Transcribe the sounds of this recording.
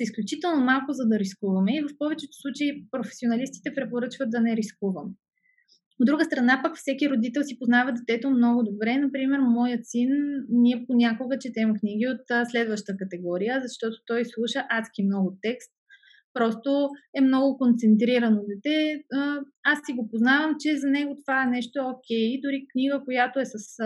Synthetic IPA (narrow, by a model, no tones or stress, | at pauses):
sisklʲut͡ʃit̪ɛlˠnomalˠkʊzɐd̪ɐɾiskuvɐmɛivɐfpɔvɛt͡ʃɛt̪o̥slˠut͡ʃeipɾofɛ̥sionɐlist̪i̥t̪ɛpɾɛpoɾɤt͡ʃvətd̪̚d̪ɐnɛɾiskuvɐm | od̪ːɾuɡəst̪ɾɐnapəkfsɛkiɾod̪it̪ɛlˠsipoznavɐd̪ɛt̪ɛt̪omnɔɡʊd̪obɾɛnɐpɾimɛɾmɔjət̪sinniɛponʲakoɡət͡ʃɛt̪ɛmɛkniɡ̟ʲiot̪slɛd̪vəʃt̪əkɐt̪ɛɡɔɾijəzɐʃt̪ɔt̪o̥t̪ɔjslˠuʃəʔat̪kʲimnɔɡʊt̪ɛkst̪̚ | pɾɔst̪oɛmnɔɡʊkont̪sɛnt̪ɾiɾənod̪ɛt̪ɛ | asːiɡopoznavəmt͡ʃɛzɐnɛɡot̪ovaɛnɛʃt̪oɛokʲɛjd̪ʊɾiknʲiɡəkojat̪oɛsɐs